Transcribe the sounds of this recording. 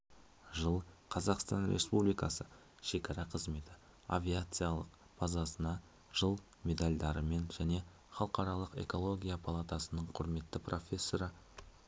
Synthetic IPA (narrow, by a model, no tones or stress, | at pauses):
ʒəlˠqʰɑzɑqst̪ɑnɾʲʔespublijkɑsə | ʃe̞kʲɑɾɑqʰəzme̞t̪ɪ | a̰vʲijat̪sɨjalˠəq | b̥ɑzɑsənɑ | ʒ̥əlˠ | mʲe̞d̪alʲd̪ɑɾəme̞nʒæne̞ | χɑlˠqɑɾɑlˠəqe̞̰ko̞lˠo̞ɡʲijapʰalˠat̪ɑsənəɴqʰʊɾme̞t̪ːɪprʔo̞fʲe̞sːo̞ɾə